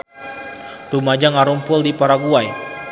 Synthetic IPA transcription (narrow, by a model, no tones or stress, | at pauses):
t̪umad͡ʒaŋaɾumpʊldipaɾaɡuaj